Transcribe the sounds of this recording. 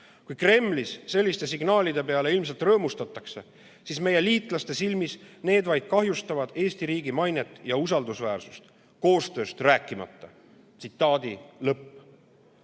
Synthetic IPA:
kujkre̞mːlisse̞lʲːist̪e̞siɡ̥nɑːlid̪̥e̞pe̞ɑle̞ilmselt̪rɤ̞ːmust̪ɑt̪ːˑɑkse̞ | sisme̞je̞liːt̪ˑlɑst̪e̞silmisne̞ːd̪vɑjd̪̥̚kɑɦjust̪ɑvɑd̪̥e̞ːst̪iɾiːɡimɑjnet̪ːˑjɑusɑld̪usvæːrsu̥st̪ | ko̞ːst̪ø̞ːst̪ræːkːˑimɑ̰t̪ːɑ | t̪sit̪ˑːɑːd̪ilɤpː

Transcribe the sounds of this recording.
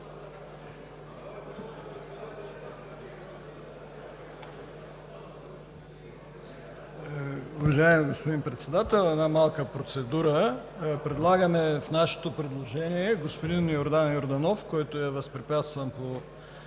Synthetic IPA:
uvɐʒaɪmiɡospod̪inpɾɛt̪sɛd̪at̪ɛlˠɛnamalˠkəpɾot̪sɛd̪uɾəpɾɛd̪lˠaɡəmɛfnaʃɛ̥t̪opɾɛd̪lˠoʒɛniɛɡospod̪injoɾd̪anjoɾd̪anɔfkɔjt̪oɛvɐspɾipʲjat̪st̪vəmpo

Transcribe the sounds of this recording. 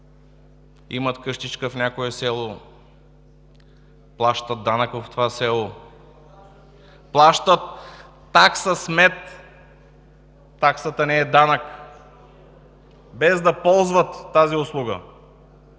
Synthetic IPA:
ḭmət̪kɤʃt̪it͡ʃkəfnʲjakoɛsɛlˠo | plˠaʃt̪ət̪̚d̪anəkəft̪ovasɛlˠo | plˠaʃt̪ət̪ː | aksəsmɛt̪ | aksət̪ənɛɛd̪anək | bɛzd̪ɐpɔlˠzvət̪ːaziʊslˠuɡə̰

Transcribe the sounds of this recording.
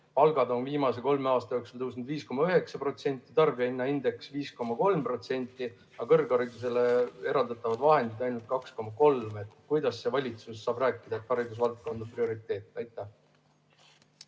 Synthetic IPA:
pɑlɡɑd̪o̞nviːmɑse̞ko̞lmeɑːst̪ɑjoeksulus̬nud̪viːsko̞mɑyɦe̞ksɑpro̞t̪se̞nʲt̪ːˑit̪ɑrbiɑenːɑind̪e̞ksviːsko̞mːɑko̞lmpro̞t̪se̞nʲt̪ːˑi | ɑkɤrɡɑɾid̪us̬e̞le̞e̞ɾɑld̪ɑt̪ːˑɑvɑd̪vɑɦe̞nd̪id̪̥ɑjnult̪̚kɑksko̞mːɑko̞lmet̪kujd̪̥ɑsːe̞vɑlʲit̪susːɑːb̥ræːkːˑid̪ɑet̪ːˑɑɾid̪us̬vɑlt̪̚ko̞nd̪ɑprio̞ɾit̪ːˑe̞ːt̪ːˑɑjt̪ːˑæh

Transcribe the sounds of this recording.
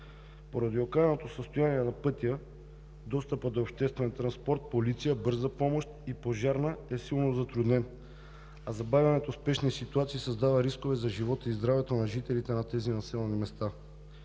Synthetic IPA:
poɾɐd̪iokaɛnot̪osəst̪ojaniɛnɐpɤt̪ijə | d̪ɔst̪əpəd̪oːpʃt̪ɛst̪vɛnt̪ɾɐnspɔɾt̪̚polit̪sijəbɤɾzəpɔmoʃt̪ipoʒaɾnəɛsilˠnozɐt̪ɾud̪nɛn | ɐzɐbavʲjɐnɛt̪ospɛʃnisit̪uat̪sisɐzd̪avɐɾiskovɛzɐʒivɔt̪əizd̪ɾavɛt̪onɐʒit̪ɛlit̪ɛnɐt̪ɛzinɐsɛlˠɛnimɛst̪a

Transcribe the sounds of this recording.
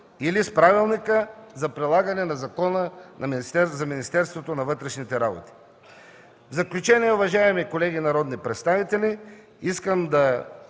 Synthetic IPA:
ilispɾavilˠnikəzɐpɾilˠaɡɐnɛnɐzɐkɔnənɐmst̪ɛɾzɐminist̪ɛɾst̪vot̪onɐvɤt̪ɾɛʃnit̪ɛɾabo̰t̪i̥ | vzɐklʲut͡ʃɛniɛʊvɐʒaɛmikolɛɡinɐɾɔd̪nipɾɛt̪st̪avit̪ɛli | iskəmd̪ɐ

